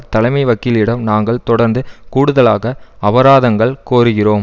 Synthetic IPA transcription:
t̪ɐlɐɪmɐɪʋɐkːɪlɪɽɐmnaːŋɡɐɭt̪ɔɽɐɾnd̪ɯkuːɽɯðɐlaːɣɐɐʋɐɾaːðɐŋɡɐɭkoːɾɯɣɪroːm

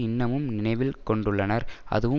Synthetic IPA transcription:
ɪnːɐmɯmnɪnɐɪʋɪlkɔɳɖɯɭːɐnɐɾɐ̰ðɯʋɯ

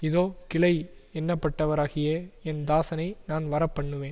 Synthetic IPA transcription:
ɪðoːkɪɭɐɪɛnːɐpːɐʈːɐʋɐɾaːɣɪjɐɛnd̪aːsɐnɐɪnaːnʋɐɾɐpːɐɳːɯʋeːn

